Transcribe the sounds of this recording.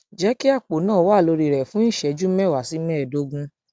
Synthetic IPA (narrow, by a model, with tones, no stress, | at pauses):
d͡ʒɛ˨˦ki˦a˦˨k͡po˨˦nãː˦˨˦wa˦˨lo˧ɾi˧ɾɛ˨fũ˦nĩ˦˨ʃɛ˨d͡ʒu˦mɛ˦˨wa˨si˨˦mɛ˦˨do˨˦ɡũ˧